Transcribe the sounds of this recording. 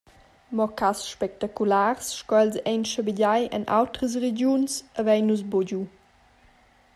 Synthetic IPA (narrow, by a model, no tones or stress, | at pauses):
mɔkasʃpɛk̚takulaːʁsʃkɔɛlsɛjnʃəbiɟajʔə̰nʔa̰wtɾəs̬red͡ʑjunsəvɛjnus̬boɟu